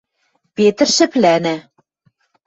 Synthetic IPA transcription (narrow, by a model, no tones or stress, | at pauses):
pet̪ɘ̆rʃɘ̆plænæ